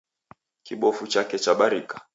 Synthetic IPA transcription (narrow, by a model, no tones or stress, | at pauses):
kiɓɔfut͡ʃakɛt͡ʃaɓaɾikḁ